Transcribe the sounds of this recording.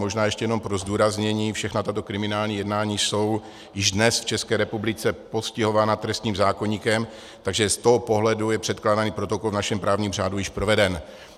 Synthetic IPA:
mo̞ʒnaːjɛʃcɛjɛno̞mpɾozduːɾazɲɛɲiːfʃɛxnat̪at̪o̞kɾɪmɪnaːlɲiːjɛdnaːɲiːso̞w | jɪʒdnɛsft͡ʃɛskɛːɾɛpublɪt͡sɛpo̞scɪɦo̞vaːnat̪ɾɛst̪ɲiːmzaːko̞ɲiːkɛm | t̪aɡʒɛst̪oɦopo̞ɦlɛdujɛpr̝̥ɛt̪klaːdaniːpɾo̞t̪okolvnaʃɛmpɾaːvɲiːmr̝aːdujɪʃpɾo̞vɛdɛn

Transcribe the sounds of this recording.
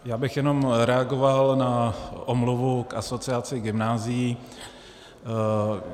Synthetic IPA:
jaːbɪxjɛno̞mɾɛaɡo̞valnaʔomluvukʔaso̞t͡sɪat͡sɪɡɪmnaːzɪji

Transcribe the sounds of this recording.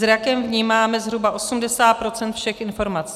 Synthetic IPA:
zɾakɛmvɲiːmaːmɛzɦɾubaʔo̞sumdɛsaːt̪̚pɾo̞t͡sɛnt̪fʃɛxʔɪnfo̞ɾmat͡s

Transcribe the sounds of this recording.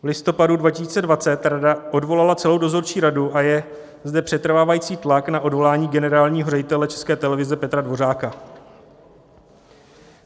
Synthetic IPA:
vlɪst̪o̞padudvacɪsiːt͡sɛdvat͡sɛt̪ɾadaʔo̞dvo̞lalat͡sɛlo̞wdo̞zo̞ɾt͡ʃiːɾaduʔajɛ | zdɛpr̝̥ɛt̪ɾ̩vaːvajiːt͡siːt̪laknaʔo̞dvo̞laːɲiːɡɛnɛɾaːlɲiːɦorɛɟɪt̪ɛlɛt͡ʃɛ̥skɛːt̪ɛlɛvɪzɛpɛt̪ɾadvo̞ɾaːka

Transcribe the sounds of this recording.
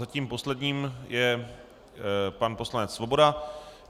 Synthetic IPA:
zaciːmpo̞slɛdɲiːmjɛ | panpo̞slanɛt͡ssvo̞bo̞da

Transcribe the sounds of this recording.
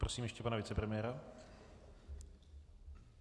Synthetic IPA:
pɾosiːmjɛʃcɛpanavɪt͡sɛpɾɛmɪjɛːɾa

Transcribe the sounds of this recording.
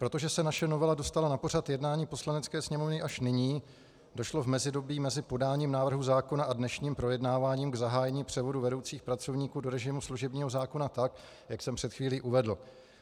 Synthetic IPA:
pɾo̞t̪o̞ʒɛsɛnaʃɛno̞vɛlado̞st̪alanapo̞rat̪jɛdnaːɲiːpo̞slanɛt͡skɛːsɲɛmo̞vnɪʔaʃnɪɲiː | do̞ʃlo̞vmɛzɪdo̞biːmɛzɪpo̞daːɲiːmnaːvr̩ɦuzaːko̞naʔadnɛʃɲiːmpɾo̞jɛdnaːvaːɲiːmɡzaɦaːjɛɲiːpr̝̥ɛvo̞duvɛdo̞wt͡siːxpɾat͡so̞vɲiːkuːdo̞ɾɛʒɪmusluʒɛbɲiːɦo̞zaːko̞nat̪ak | jaksɛmpr̥ɛt̪xviːliːʔuvɛdl̩

